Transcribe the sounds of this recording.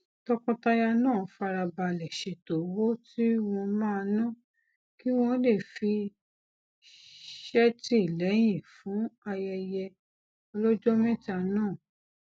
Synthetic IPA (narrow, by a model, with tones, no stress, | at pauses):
tɔ˧kɔ̃˧ta˧ja˧nãː˦˨˦fa˧ɾa˧ba˧lɛ˨ʃe˨to˨˦wo˦ti˦w̃ɔ̃˧mãː˦˧nã˦˨ | ki˦w̃ɔ̃˦le˦˨fi˧ | ʃɛ˦ti˦i˦˨lɛ˨˦j̃ĩ˦˨fũ˨˦a˧jɛ˧jɛ˧ | ɔ˧lɔ˦d͡ʒɔ˦mɛ̃˦ta˨˧nãː˦˨